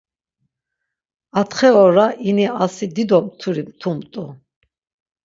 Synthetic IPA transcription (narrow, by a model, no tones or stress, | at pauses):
at̪χɛɔɾaʔiniasid̪id̪ɔmt̪ʰuɾimt̪ʰumt̪ʼu